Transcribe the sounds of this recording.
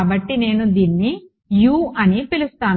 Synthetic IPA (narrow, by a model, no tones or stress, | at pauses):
bɐʈːine̞ːnud̪iːnːi | juːʔɐnipilust̪aːn